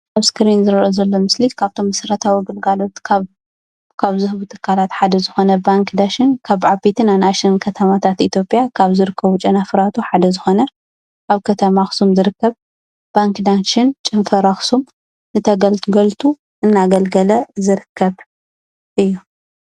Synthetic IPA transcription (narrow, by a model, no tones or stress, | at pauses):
aβskɾinzɨɾʔozɐlːo̞mɨslikʰaβt̪ʰo̞mːɐsɐɾɐt̪ʰawiɡɨlɡalo̞t̪ʰa | kʰaβzɨhβut̪ʰɨ̥kʰːalat̪ħad̪ɐzɨxo̞nɐbaŋkd̪aʃɪnkʰaβʕabit̪ʰɨnanaʃɪnkʰɐt̪ʰɐmat̪ʰat̪it̪ʰjo̞pʼjakʰaβzɨɾɨkʰːɐβut͡ʃʼɐnafɾat̪ʰuħad̪ɐzɨxo̞nɐ | kʰaβkʰɐt̪ʰɐmaxsumzɨɾɨkʰːɐβ | b̥aŋkd̪anʃɪnt͡ʃʼɨnfɐɾaxsum | nɨt̪ʰɐɡɐlt̪ɡɐlt̪ʰu | ʔɨnːaɡɐlɡɐlɐzɨɾɨkʰːɐβ | ʔɨjːu